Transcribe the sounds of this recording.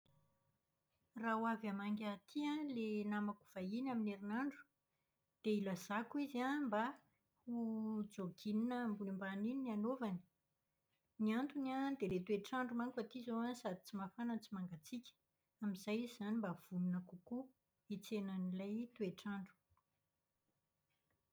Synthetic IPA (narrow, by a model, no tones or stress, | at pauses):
rawavamaŋɡʲat̪ʰiãlenamaku̥v̥ainamineɾinaɳɖ͡ʐu̥ | d̪̥eilazakuizamba | hud͡zoɡininəmbulimbanininianovani̥ | niant̪unad̪elet̪ueʈ͡ʂaɳɖ͡ʐumaŋkufat̪izowansad̪i̥t͡simafanant͡simaŋɡat͡sikʲə̥ | amizajizzanimbav̥umunəkuku | it͡senanilajt̪ueʈ͡ʂaɳɖ͡ʐu̥